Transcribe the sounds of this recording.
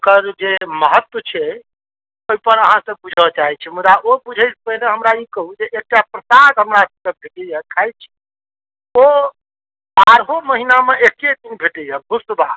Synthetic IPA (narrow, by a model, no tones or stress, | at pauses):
okəɾd͡ʒeməɦət̪wət͡ʃʰɛ | oijpəɾəɦãsə̃b̚bud͡ʒʱɔt͡ʃaɦɛt͡ʃʰɛmud̪aʔobud͡ʒʱəjspəɦineɦəmɾaikəɦud͡ʒeʔek̚ʈapɾəsaɡɦəmɾasəbkebʱeʈɛjakʰajt͡ʃʰɛ̥ | o | baɾɦoməɦinameʔeked̪inbʱeʈɛjabʱusba